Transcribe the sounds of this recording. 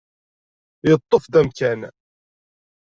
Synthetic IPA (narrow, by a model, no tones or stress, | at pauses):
jət̪ˤːofðæmkæn